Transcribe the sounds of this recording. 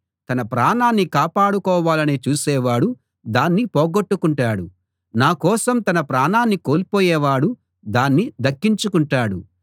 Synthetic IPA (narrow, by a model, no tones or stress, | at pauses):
t̪ɐnɐpɾaːnaːnːikaːpaːɽukɔːʋaːlɐnet͡ʃuːsɛːʋaːɽu | d̪aːnːipoːɡoʈːukuɳʈaːɽu | naːkɔːsɐmt̪ɐnɐpɾaːnaːnːikoːlipoːjɛːʋaːɽu | d̪aːnːid̪ɐkːiɲt͡ʃukuɳʈaːɽu